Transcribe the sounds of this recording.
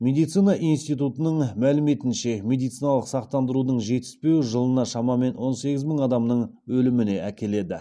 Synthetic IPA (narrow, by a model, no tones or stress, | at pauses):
mʲe̞d̪ijt̪sijnɑʔinst̪ijt̪ut̪ənəɴmælɪme̞t̪ɪnʃe̞mʲe̞d̪ijt̪sijnɑlˠəqsɑq̚t̪ɑnd̪əɾud̪əɴʒe̞t̪ɪ̥spe̞wʒəlˠənɑʃɑmɑme̞nwo̞nse̞ɡʲɪzməɴɑd̪ɑmnəɴ | wɵlɪmɪne̞ækʲe̞le̞d̪ɪ̰